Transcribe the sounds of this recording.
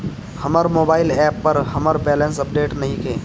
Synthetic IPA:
hɐməɾmoːbaːɪlɛːpːɐɾhɐməɾbɛːlə̃nsɐp̚ɖeːʈnɐɦĩkʰḛː

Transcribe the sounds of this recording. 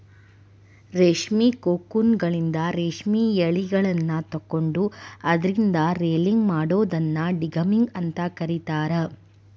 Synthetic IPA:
ɾeːʂmiːkoːkːunɡɐɭind̪ɐɾeːʂmiːjeɭiɡɐɭɐnːɐt̪ɐkːoɳɖuɐd̪ɐɾind̪ɐɾeːliŋɡmaːɽoːd̪ɐnːɐɖiɡɐmiŋɡɐnt̪ɐkɐɾit̪aːɾɐ

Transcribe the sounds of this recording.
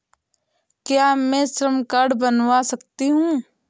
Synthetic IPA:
kjamɛ̃sɾəmkaːɾɖbənwasɐkt̪iɦũː

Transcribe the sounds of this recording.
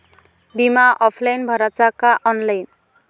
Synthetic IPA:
bimaʔɔpʰlajnbʱʌɾat͡sakaʔʌnlajn

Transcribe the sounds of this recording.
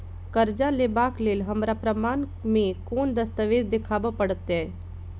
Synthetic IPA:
kəɾd͡ʒalebaːkleːlɦəmɾapɾəmaːn | mẽkoːnd̪əst̪əʋeːd͡ʒd̪ɪkʰaːbəpəɽət̪ɛ

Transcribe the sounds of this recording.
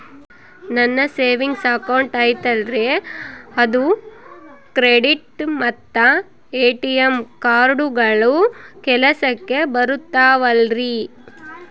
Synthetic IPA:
nɐnːɐseːʋiŋɡsɐkɐwɳʈaːjt̪ɐlɾeɐd̪u | kɾeɖiʈmɐt̪ːɐ | eːʈijemkaːɾɖuɡɐɭukɛlɐsɐkːe̞bɐɾut̪ːaːʋɐlɾi

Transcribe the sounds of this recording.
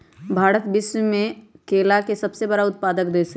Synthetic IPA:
bʱaːɾət̪bɪswmẽkeːlakesɐbsebɐɽaʊt̪̚paːd̪əkd̪eːs

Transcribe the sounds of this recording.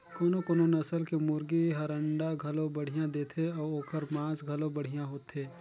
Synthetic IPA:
koːnokoːnonɐsəlkemʊɾɡiɦɐɾə̃ɳɖaɡʱɐlõbɐɽ̤ijãd̪eːt̪ʰeɔːɾoːkəɾmãːsɡʱɐlõbɐɽ̤ijãɦoːt̪ʰeː

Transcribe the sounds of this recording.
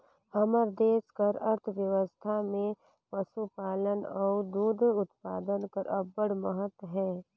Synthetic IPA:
həməɾd̪eːskəɾɐɾt̪ʰəʋjəʋəst̪ʰamẽ | pəsupaːlənɔːɾd̪uːd̪ʱʊt̪pa̰ːd̪ənkəɾʔɐbəɽməɦət̪wəɦɛː

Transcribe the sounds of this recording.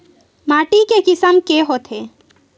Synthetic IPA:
maʈikekisamkeɦot̪ʰe

